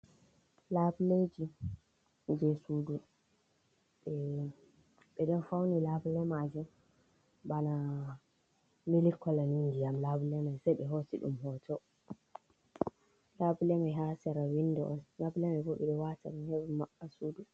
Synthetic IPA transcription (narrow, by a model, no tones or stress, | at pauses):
labled͡ʒi | d͡ʒɛsuːdu | ɓɛ | ɓɛɗɔnfawnilabulɛmad͡ʒum | bana | milikːɔlanindijamlabulɛmajsajɓɛɦosiɗṵmɦɔːtɔ | labulɛmajɦasɛɾawindɔʔɔlabulɛmabɔɓɛɗɛwataɗɛhɛwumaɓːasuːdu